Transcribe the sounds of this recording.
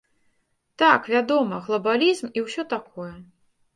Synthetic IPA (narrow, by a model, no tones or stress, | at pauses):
t̪akvʲad̪ɔmɐɣlˠɐbalʲizmiwsʲɔt̪akʰɔjɛ